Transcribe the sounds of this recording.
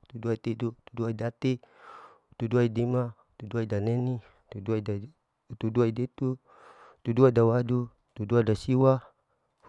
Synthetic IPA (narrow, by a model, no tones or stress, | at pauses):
t̪uduait̪idut̪uduaidat̪i | t̪uduaidima | t̪uduaidaneni | t̪uduaia | t̪uduaidet̪u | t̪uduadawadu | t̪uduadasiwa